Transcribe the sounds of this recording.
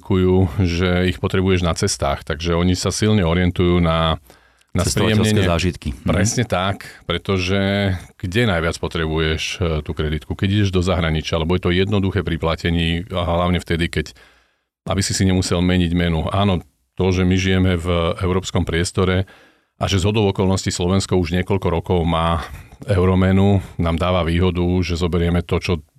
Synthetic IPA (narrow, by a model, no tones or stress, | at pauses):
kujuːʒɛixpɔt̪ɾɛbujɛʒnat͡sɛst̪a̰ːxt̪aɡʒɛɔɲisasilɲɛɔɾɪɛnt̪ujuːna | naspɾiɛmɲɛɲɛaʒit̪kipɾɛsɲɛt̪akpɾɛt̪ɔʒɛɡ̥ɟɛnajʋɪat͡spɔt̪ɾɛbujɛʃt̪uːkɾɛd̪it̪kukɛɟiɟɛʒd̪ɔzaɦɾaɲit͡ʃɪaalɛbɔjɛt̪ɔjɛd̪nɔd̪uxɛːpɾiplacɛɲiːɦlaʊɲɛft̪ɛd̪ikɛc | ʔa̰bisisiɲɛmusɛlmɛɲiɟmɛnuaːnɔ | t̪ɔʒɛmiʒijɛmɛvʔɛʊɾɔːpskɔmpɾɪɛst̪ɔɾɛ | ʔaʒɛzɦɔd̪ɔʊɔkɔlˠnɔscislɔʋɛnskɔuʒɲɪɛkɔʎkɔɾɔkɔʊmaːɛʊɾɔmɛnunaːmd̪aːʋaʋiːɦɔd̪uʒɛzɔbɛɾɪɛmɛt̪ɔt͡ʃɔ